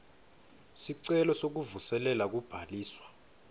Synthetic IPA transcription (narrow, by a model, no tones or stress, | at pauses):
siǀɛlɔsok̬uvusɛlɛlak̬ub̥ʱaliːswḁ